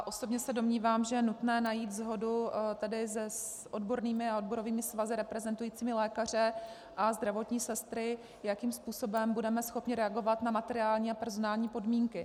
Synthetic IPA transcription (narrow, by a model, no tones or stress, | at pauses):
jʔo̞so̞bɲɛsɛdo̞mɲiːvaːmʒɛjɛnut̪nɛːnajiːt̪zɦo̞dut̪ɛdɪzɛ | ʔodbo̞ɾniːmɪaodbo̞ɾo̞viːmɪsvazɪɾɛpɾɛzɛnt̪ujiːt͡siːmɪlɛːkar̝ɪ | ʔazd̪ɾavo̞t̪ɲiːsɛst̪ɾɪ | jakiːmspuːso̞bɛmbudɛmɛsxo̞pɲɪɾɛaɡo̞vat̪namat̪ɛɾɪaːlɲiːapɛɾzo̞naːlɲiːpo̞dmiːŋkɪ